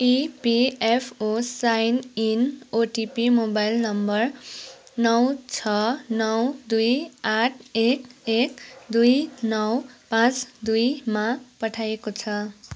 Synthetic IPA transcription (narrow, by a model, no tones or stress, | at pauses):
ipiepʰosajninoʈipimobajlnʌmbʌr | nʌwt͡sʰʌnʌwd̪ujaʈʰekek̚d̪ujnʌwpãt͡sd̪ujmapʌʈʰajekot͡sʰʌ